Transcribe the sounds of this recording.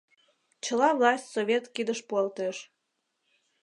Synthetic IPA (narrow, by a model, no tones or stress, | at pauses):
t͡ɕəlɑvlɑsʲtʲsoβʲet̪kid̪əʃpuɑlt̪eʃ